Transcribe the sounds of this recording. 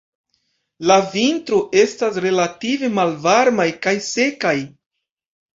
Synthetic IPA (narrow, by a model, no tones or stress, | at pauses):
lavintɾoʔe̞stasɾe̞lative̞malvaɾmajkajse̞kaj